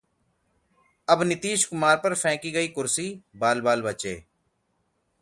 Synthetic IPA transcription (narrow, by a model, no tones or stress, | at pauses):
əbnɪt̪iːʃkʊmaːɾpəɾfʰɛ̃ːkiːɡəiːkʊɾsiːbaːlbaːlbət͡ʃḛː